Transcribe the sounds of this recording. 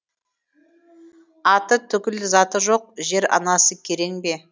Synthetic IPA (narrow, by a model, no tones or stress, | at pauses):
ɑt̪ət̪ʰʏkʲɪlɪzɑt̪əʒo̞q̚ʒe̞ɾɑ̰nɑsəkʲʰe̞ɾe̞ŋbe̞